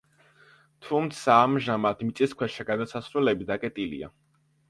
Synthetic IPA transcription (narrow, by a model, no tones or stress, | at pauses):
t̪ʰumt̪sʰaːmʒamat̪mit̪sʼiskʰwɛʃaɡad̪asasɾulɛbid̪akʼɛt̪ʼilḭa̰